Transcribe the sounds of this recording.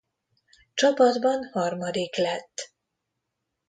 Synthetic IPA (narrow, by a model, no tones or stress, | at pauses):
t͡ʃɒpɒd̪bɒnhɒrmɒd̪iklɛt̪ː